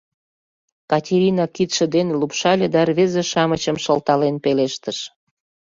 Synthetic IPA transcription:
kɑtʲeɾʲinɑkit̪ʃə̆d̪enlupʃɑlʲed̪ɑrβezeʃɑmət͡ɕəmʃəlt̪ɑlenpeleʃt̪əʃ

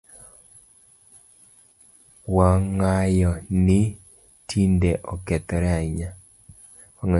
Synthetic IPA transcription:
waŋajɔnɪ | tʰindeʔɔkɛt̪ɔɾɛaiɲa | waŋa

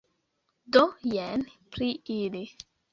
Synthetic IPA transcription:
dojɛnpɾiili

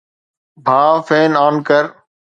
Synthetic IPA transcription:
bʱaːfeːnaːnkəɾ

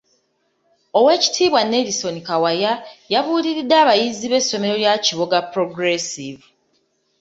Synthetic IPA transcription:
o̞we̞ːci̥tʰiːβwanːe̞diso̞nikawajajaβuːliɾidːaːβajiziβe̞sːo̞me̞ɾo̞ljaciβo̞ɡapɾo̞ɡɾesivu

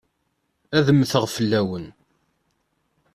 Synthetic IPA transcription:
æðəmθəʁfəlːæwən

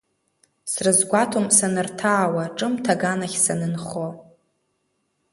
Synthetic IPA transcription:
srɨzɡʷatʰomsanɨrtʰaːwaʈ͡ʂʼɨmtʰaɡanaχʲsanɨnχo

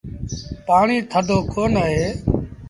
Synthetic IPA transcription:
paːɳiːt̪ʰəd̪ʱoːkoːnəɦeː

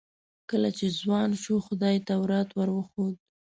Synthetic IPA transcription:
kəlat͡ʃezwɑnʃuxʊd̪ɑjt̪awɾɑt̪wəɾwəxod̪̚

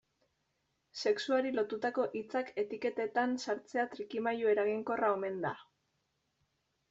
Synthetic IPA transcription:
se̞ksuaɾilo̞t̪ut̪ako̞ʔit͡sake̞t̪ike̞t̪e̞t̪ansaɾt͡se̞at̪ɾikimajue̞ɾaɣiŋko̞rao̞me̞nd̪a

